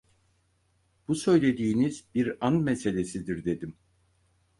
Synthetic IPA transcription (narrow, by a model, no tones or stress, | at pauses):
b̥usø̞jlʲe̞d̪iːnizbiɾanmɛse̞lʲe̞sid̪iɾd̪e̞d̪im